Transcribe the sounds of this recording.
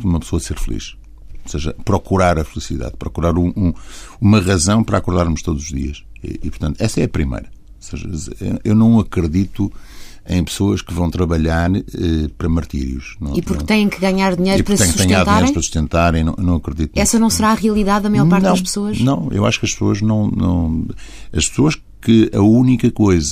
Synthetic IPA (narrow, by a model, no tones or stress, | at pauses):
umɐpsoɐseɾfɨlˠḭʃ | oseʒɐ̰pɾɔkuɾaɾɐfɨlˠisiða̰ðpɾɔkuɾaɾũũumɐʁɐzɐ̃w̃pɐɾakuɾðaɾmuʃt̪oðuzuʒðḭɐʃ | ɛ̰ipuɾt̪ɐ̃nt̪ɛsɐɛpɾimɐ̰jɾɐ | oseʒɐ̰zḛḛʔewnɐ̃w̃ɐkɾɨðit̪u | ẽj̃pɨ̥soɐʃkɨvɐ̃w̃t̪ɾɐβɐʎaɾɛpɐɾɐmɐɾt̪ḭɾjuʃnɐ̃w̃ipuɾkkt̪ɐ̃j̃ẽj̃kɨɣaɲaɾðiɲejɾpupɾkɐt̪j̃ksuɐɐ̃ɲãɾðt̪iajɾɾ̃pɐsu̥ʃt̪ẽnt̪aɾɐ̃j̃nɐ̃w̃ḛwnɐ̃w̃ɐkɾɨðit̪unɛsɐnɐ̃w̃sɨɾaɐʁiɐlˠiðaðɐmɐjɔɾpaɾt̪nɐ̃wɐʃpsoɐʃnɐ̃w̃ḛwa̰ʃu̥kɐʃpsoɐʒnɐ̃w̃nɐ̰̃w̃ | ɐʃpsoɐʃ | kɨɐunikɐkojzɐ